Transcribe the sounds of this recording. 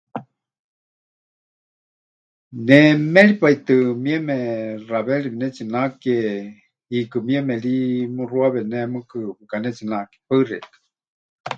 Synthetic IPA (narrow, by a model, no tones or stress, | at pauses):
nemelipait̪ɨmiemeraβeɾibinɛt͡sinake | ikɨmiemelimɨruaβenemɨkɨpɨkanɛt͡sinaʔke̥pərɛ̰t̪ɨ̥